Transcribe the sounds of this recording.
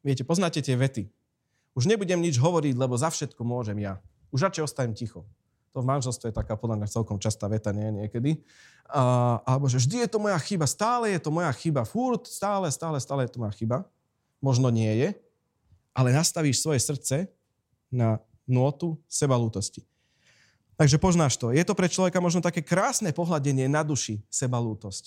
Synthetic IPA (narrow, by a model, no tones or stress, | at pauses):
ʋɪɛcɛpɔznaːcɛt̪ɪɛʋɛt̪i | uʒɲɛbuɟɛmɲid͡ʒɦɔʋɔɾiɟlɛbɔzafʃɛt̪kɔmʊɔʒɛmja | uʒɾat͡ʃɛɔst̪aɲɛmcixɔ | t̪ɔvmanʒɛlst̪ʋɛjɛt̪akaːpɔd̪lamɲat͡sɛlkɔmt͡ʃast̪aːʋɛt̪aɲɛɲɪɛkɛd̪i | alɛbɔʒɛvʒd̪ijɛt̪ɔmɔjaxibast̪aːlɛjɛt̪ɔmɔjaxibafuɾt̪st̪aːlɛst̪aːlɛst̪aːlɛjɛt̪ɔmɔjaxiba | mɔʒnɔɲɪɛjɛ | ʔalɛnast̪aʋiːʃsʋɔjɛsr̩tt͡sɛ | na | nʊɔt̪usɛbaluːt̪ɔsci | t̪aɡʒɛpɔznaːʃt̪ɔjɛt̪ɔpɾɛt͡ʃlɔʋɛkamɔʒnɔt̪akɛːkɾaːsnɛpɔɦlaɟɛɲɪɛnad̪uʃisɛbaluːt̪ɔsc